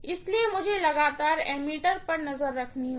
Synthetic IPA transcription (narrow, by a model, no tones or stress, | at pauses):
ɪsliemʊd͡ʒʱelɐɡaːt̪aːɾɛːmiːʈəɾpɐɾnɐzəɾːɐkʰniɦ